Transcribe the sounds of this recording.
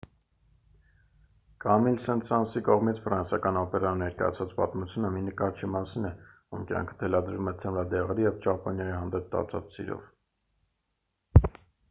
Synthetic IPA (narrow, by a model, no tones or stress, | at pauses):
kɑmilsɛnt̪sɑnsikɔʁmit͡sʰfəɾɑnsɑkɑnɔpɛɾɑnɛɾkɑ̰jɑ̰t͡sʰvɑt͡spɑt̪mut͡sʰjunəminəkɑɾt͡ʃʰimɑsinɛ | umkjɑ̰ŋkʰə̥t̪ʰɛlɑd̪ɾumɛt͡sʰɛmlɑd̪ɛʁɛɾijɛvt͡ʃɑpɔnjɑjihɑnd̪ɛp̚t̪ɑ̰t͡sʰɑ̰t͡ssḭɾɔ̰v